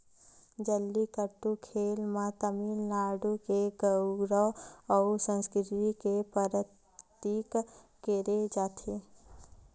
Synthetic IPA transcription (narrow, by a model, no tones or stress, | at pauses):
d͡ʒəlːikəɾʈukʰeːlmãt̪əmiːnnaːɖukeɡəʊɡɾəwɔʊsə̃nskɾɪt̪ikepəɾət̪ | iːk | keɾed͡ʒaːt̪ʰe